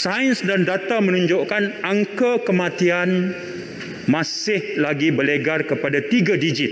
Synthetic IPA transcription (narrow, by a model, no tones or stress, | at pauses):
saənsdandat̪amə̃nũɲd͡ʒoʔkanaŋkakəmãt̪ian | mãsɪhlaɡibəleɡarkəpadat̪iɡadid͡ʒɪt̪̚